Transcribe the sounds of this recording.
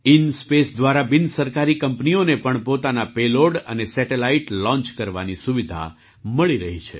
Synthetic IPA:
inspesd̪ʋaɾabɪnsəɾkaɾikəmpnionepəɳpot̪anapeloɽənesɛʈelaiʈlɔ̃nt͡ʃkəɾʋa̰nisuʋid̪ʱa̰ | məɭiɾəɦit͡ʃʰḛ

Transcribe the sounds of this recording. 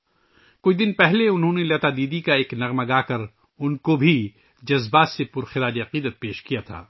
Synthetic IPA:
kʊt͡ʃʰd̪ɪnpɛɦleʊnɦõnelɐːt̪aːd̪iːd̪ikaeːknɐɣmɐɡaːkɐɾ | ʊnkobʱi | d͡ʒɐzbaːt̪sepʊɾxɪɾaːd͡ʒiɐqiːd̪ət̪̚peːʃkijat̪ʰa̰ː

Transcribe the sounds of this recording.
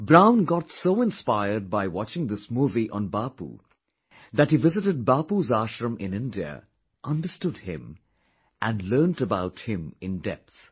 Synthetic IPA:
bɹãʊ̃nɡɑtsoʊɪ̃nspaɪəd̚baɪwɑt͡ʃɪ̃ŋðɪsmuːviʔə̰̃nbɑpṵ | ðæt̚hivɪzɨɾɨd̚bɑpuzæʃɹə̃mɪ̃nɪ̃ndiə̰ | ʔʌ̃ndə˞stʊd̚ɪ̰̃m | ʔæ̃ndlɜ˞ntəbaʊt̚hɪ̃mɪ̃ndɛ̰p̚θ

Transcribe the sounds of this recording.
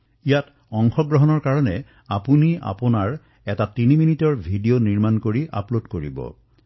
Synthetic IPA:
ijat | ɔŋxɔɡɹɔɦɔnɔɹkaɹɔnɛ | apunia̰pʊnaɹ | ɛtatiniminitɔɹbʱidioniɹmankoɹiʔa̰plodkoɹḭbɔ̰

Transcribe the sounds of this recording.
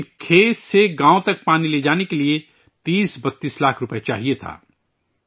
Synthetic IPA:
kʰeːseɡãːõt̪ɐk̚paːnileːd͡ʒaːnekelie | t̪iːsbɐt̪ːiːslaːkʰɾʊpt͡ʃa̰ːɦiet̪ʰa̰ː

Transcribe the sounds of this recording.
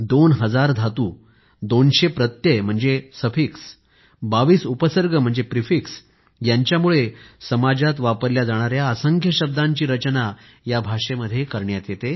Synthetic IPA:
d̪onɦəd͡zaɾd̪ʱat̪uː | d̪onɕepɾət̪jem̤əɳd͡zesəfiks | baʋiːsupəsəɾɡʱəm̤əɳd͡zepɾifiks | jaɲt͡ɕjamuɭesəmad͡ʑat̪ʋapəɾljad͡zaɽ̃aɾjaəsəŋɡʱjəɕəb̚d̪ãɲt͡ɕiːɾət͡ɕna | jabʱaʂeməd̪ʱːjekəɾɳjat̪jet̪e

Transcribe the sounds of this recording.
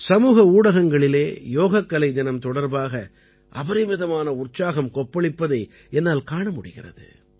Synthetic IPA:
sɐmuːɣɐuːɽɐɣɐŋɡɐɭɪleːjoːɣɐkːɐlɐɪd̪ɪnɐmt̪ɔɽɐɾbaːɣɐ | ʔɐbɐɾɪmɪðɐmaːnɐʊrt͡ʃaːɣɐmkɔpːɐɭɪpːɐðɐɪ | ɛnːaːlkaːɳɐmʊɽɪɣɪ̰rɐ̰ðɯ̰

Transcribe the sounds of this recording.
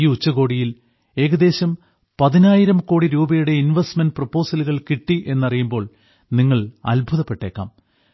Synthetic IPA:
iːut͡ɕːɐɣo̞ːɽijil | e̞ːɣɐd̪e̞ːɕɐm | pɐðinaːjiɾɐmko̞ːɽiɾuːbɐjuɽe̞inʋesʈmendprɐpːo̞ːsɐluɣɐɭkiʈːiʔe̞nːɐrijumbo̞ːɭ | niŋːɐɭɐ̰lbʱuðɐpːe̞ʈːe̞ːkːa̰ːm

